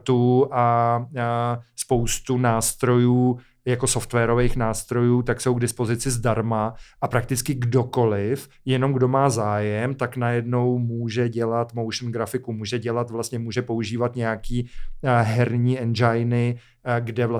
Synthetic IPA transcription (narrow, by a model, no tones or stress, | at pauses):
t̪uʔa | spo̞wst̪unaːst̪ɾo̞juː | jako̞so̞ft̪vɛːɾo̞vejxnaːst̪ɾo̞juːt̪akso̞wɡdɪspo̞zɪt͡sɪzdaɾmaʔapɾak̚t̪ɪt͡skɪɡdo̞ko̞lɪf | jɛno̞mɡdo̞maːzaːjɛmt̪aknajɛdno̞wmuːʒɛɟɛlat̪mowʃn̩ɡɾafɪkumuːʒɛɟɛlat̪vlast̪ɲɛmuːʒɛpo̞uʒiːvat̪ɲɛjakiːɦɛɾɲiːɛnd͡ʒajnɪ | ɡdɛvla